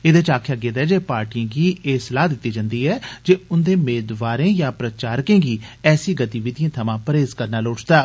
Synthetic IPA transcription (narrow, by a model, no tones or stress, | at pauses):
eːd̪eːt͡ʃaːkʰjaːɡeːd̪ɛːd͡ʒeːpaːɾʈiːãːɡiːʔeːsəlaːɦd̪ɪt̪ːiːd͡ʒãːnd̪iːɛːd͡ʒeːʊnd̪eːmeːd̪ʋaːɾẽːjãːpɾət͡ʃaːɾkẽːɡiːɛːsiːɡət̪iːʋɪd̪ijãːt̪ʰəmãːpəɾeːzkəɾnaːloːʈd̪aː